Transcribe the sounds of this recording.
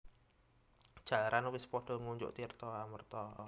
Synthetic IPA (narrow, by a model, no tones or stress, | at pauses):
d̥ʒ̥a̤laɾʔanwɪspɔɖ̥ɔ̤ŋuɲd͡ʒʊ̰ʔt̪irt̪ɔamərt̪ɔ